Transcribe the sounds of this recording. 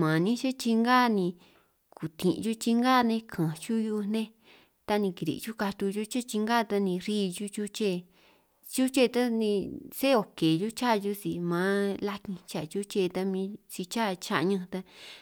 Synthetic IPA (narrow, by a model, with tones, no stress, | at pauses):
mã˨nĩ˦t͡ʃe˦t͡ʃi˧ŋɡa˦˨nĩ˧ | ku˨t̪ḭ̃˨ʔʒu˦t͡ʃi˧ŋɡa˦˨˧nẽ˧kʰã˨t͡ʃu˦ju˦˧n̥ẽ˦ | t̪a˧nĩ˧ki˨ɾḭ˨˧t͡ʃu˦ka˧t̪u˧ʒu˦t͡ʃe˦t͡ʃi˧ŋɡa˦˨˧t̪a˧nĩ˧ɾiː˦˧ju˦t͡ʃu˦t͡ʃe˦˨ | t͡ʃu˦t͡ʃe˦˧t̪a˦nĩ˧se˦o˨ke˨ju˦t͡ʃa˦˨˧ju˧si˨mã˨˦la˦kĩ˧t͡ʃa˨t͡ʃu˦t͡ʃe˦˧t̪a˧mĩː˧t͡ʃi˧t͡ʃa˦˨t͡ʃa̰˦˧ʔɲã˧t̪a˧